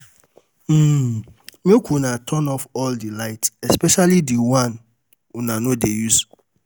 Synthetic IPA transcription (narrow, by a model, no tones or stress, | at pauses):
m̩ | mekʰunatʰɔnɔfɔldilaɪtɛspɛʃalidiwãn | unanodejus